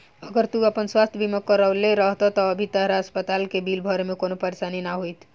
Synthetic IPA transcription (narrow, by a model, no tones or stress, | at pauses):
əɡəɾt̪uəpənswast̪ʰjəbiməkːəɾəleɾəɦt̪ɔt̪ɔːbʱit̪əɦɾaəspət̪alkebilbʱəɾmekonopəɾesaninaɦujt̪ʰ